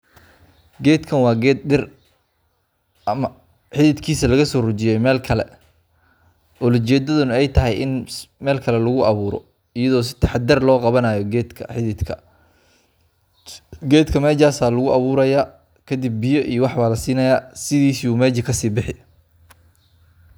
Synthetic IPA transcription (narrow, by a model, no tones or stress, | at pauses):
ɡɛːd̪kʰɐnwɑːɡɛɪr | m | ħɪðɪd̪kʰiːsɐlɐɣɐsɔːrʊt͡ʃɪjɛjmɛːlkʰɐlɛ̰ | ɔːlɐt͡ʃɛːd̪ɐðʊnɐɛjt̪ʰɐɦɛjɪnmɛːlkʰɐlɛlʊɣʊʔɑβuːɾɔ̰ | ɪjɐðɔːs̬ɪ̥t̪ʰɐħɑd̪d̪ɐrlɔːqɑβɐnaːjɔɡɛːd̪kʰɐ̰ħɪɪd̪kʰɐ̰ | ɡɛːd̪kʰɐmɛːd͡ʒaːsaːlʊɣʊʔɑβuːɾɐjaː | kʰɐd̪ɪb̚ːɪjɔʔijɔwɑħβaːlɐsiːnɐjaːsɪðiːsiːuːmɛːd͡ʒɐkʰɐsiːbɪħɪ